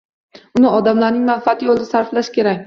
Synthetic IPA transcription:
ʊnɪɒd̪amlaɾnɪŋmanfat̪ɪjolˠɪd̪ɪsaɾflaʃkʲe̞ɾakʲ

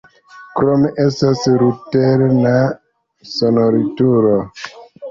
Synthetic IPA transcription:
kɾomeʔestasɾuteɾna | sonoɾituɾo

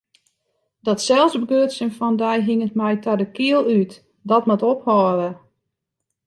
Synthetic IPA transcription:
dɔtsɛlˠsbəɡøːtsənfɔndɛjɦiŋətmɛjtadəkiəlˠyt | dɔtmatophɔːɾə

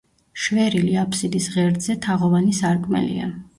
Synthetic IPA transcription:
ʃvɛɾiliapʰsid̪isʁɛɾd̪zɛt̪ʰaʁɔvanisaɾkʼmɛ̰lḭa̰

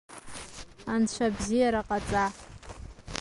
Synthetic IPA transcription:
ant͡ʃʷʰabzijaɾaqʼat͡sʼa

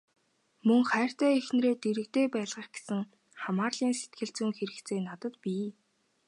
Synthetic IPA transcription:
mɵŋχæːr̥t̪æːix̆nɾeːt̪eɾɘ̆k̚t̪eːpæːɮʁə̆χɡ̥e̥sɘ̆ŋ | χamaːrɮiːnset̪̚ɡɘ̆ɬt͡suːŋxeɾɘ̆kt͡sʰeːnat̪ə̆t̪pʲiː

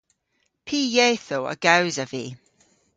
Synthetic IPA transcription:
pʰiːjɛːθoə̰ɡ̥awzəvi

